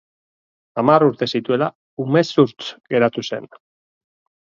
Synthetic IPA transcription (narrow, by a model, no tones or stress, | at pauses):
amaruɾt̪e̞sit̪ue̞la | ume̞suɾt͡sɡe̞ɾat̪use̞̰n